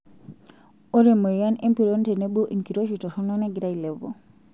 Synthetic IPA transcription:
o˦ɾe˨mo˨ja˦ne˦mpi˨ɾon˦te˨ne˦bo˦ʔi˨ŋki˨ɾo˦ʃi˨tɔ˨sɔ˦nɔ˦nɛ˦ɡi˨ɾa˦i˨lɛ˨bo̰˨

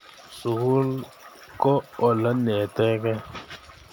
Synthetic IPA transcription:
su˨ɣu˦l | kʼɔ˦ɔ˨la˦nɛ˨tɛ˦kɛ˦

